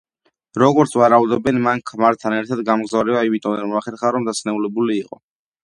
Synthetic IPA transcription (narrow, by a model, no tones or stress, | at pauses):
ɾɔɡɔɾt̪sʰwaɾaud̪ɔbɛnmaŋkʰmaɾt̪ʰanɛɾt̪ʰad̪ɡamɡzavɾɛaivit̪ʼɔnɛnmɔaχɛɾχaɾɔmd̪asʰnɛulɛbuliːqʼɔ